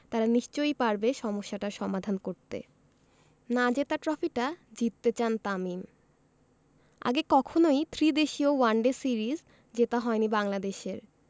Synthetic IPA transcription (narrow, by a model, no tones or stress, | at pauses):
t̪aɾaniʃt͡ɕojpaɾbeʃɔmoʃːaʈaɾʃɔmad̪ʱankoɾt̪ḛ | nad͡ʑet̪aɾʈɾɔfiʈad͡ʑit̪ːet͡ɕant̪amim | a̰ɡekɔkʰonojt̪ʰɾid̪eʃiowaɳɖesiɾiz | d͡ʑet̪aɦɔenibaŋlad̪eʃeɾ